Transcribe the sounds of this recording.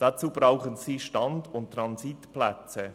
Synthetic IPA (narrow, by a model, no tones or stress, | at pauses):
d̥at͡suːb̥ɾaʊχənsiːʃtɑndʊnttːɾɑnsitplɛt͡sə